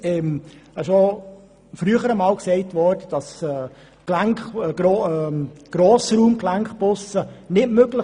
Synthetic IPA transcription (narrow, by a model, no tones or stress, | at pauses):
ɛmɛʃo | fɾyəχəɾəmɑːlksɛɪtʋɔɾdəd̥ɑsɛː | klæŋkɡɾo | ɡ̥ɾoːsɾuːmklæŋχbʊsənɪtmøɡlə